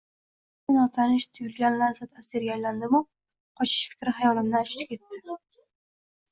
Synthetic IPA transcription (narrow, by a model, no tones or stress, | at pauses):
ɪnɒt̪ʰanɪʃt̪ʰʊjʊlɡʲanlazat̪asd̪eɾɡʲaland̪ɪmʊ | qʰɒt͡ʃʰɪ̥ʃfɪ̥kʲɾɪɦajɒlɪmd̪aʃɪ̥t͡ʃ̪kʲʰe̞t̪ːɪ